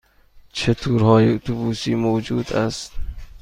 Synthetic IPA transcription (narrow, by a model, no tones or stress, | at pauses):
t͡ʃʰet̪ʰuɾhɔːjiʊt̪ʰubuːsiːmowd͡ʒuːd̪ast̪